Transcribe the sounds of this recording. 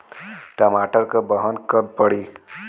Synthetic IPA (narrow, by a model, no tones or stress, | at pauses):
ʈəmaːʈəɾkəbəɦənkəb̚pəɽi